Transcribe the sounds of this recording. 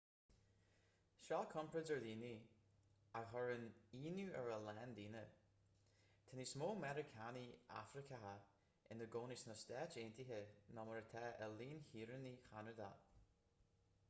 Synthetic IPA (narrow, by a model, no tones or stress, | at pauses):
ʃɔːkʰʊmpʰɹəzəɹdiːni | aɦɔɹəniːnuəɹəlɛndiːnə | t̪ʰəniːsmoːmɛɾəkʰania̰fɾɪkʰəɦa | ʔɪ̰nəɡoːnɪsnəstɛːt͡ʃeːntiɦənɔməɹət̪ʰɛːʔəliːnhiːɹənixanəd̪a̰